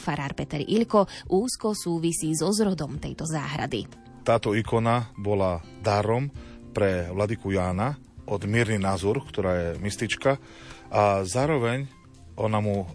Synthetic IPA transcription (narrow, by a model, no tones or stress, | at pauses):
faɾaːɾpɛt̪ɛɾiʎkɔʔuːskɔsuːʋisiːzɔzɾɔd̪ɔmt̪ɛjt̪ɔza̰ːɦɾa̰d̪ḭ | t̪aːt̪ɔikɔnabɔlad̪aɾɔmpɾɛʋlad̪ikujaːna | ʔɔd̪mɛːɾninazɔɾkt̪ɔɾaːjɛmist̪it͡ʃka | azaːɾɔʋɛɲ | ɔnamu